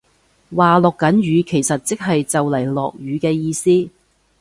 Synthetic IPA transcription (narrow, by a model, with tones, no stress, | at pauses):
waː˨lɔː˨˩kːɐ˨˥nɥyː˨˧kʰe˨˩jsɐ˨t̚t͡sɪ˥k̚ɦɐ˨jt͡sɐ˨wlɐ˨˩jlɔ̰ː˨k̚jyː˨˧kɛː˧jiː˧siː˥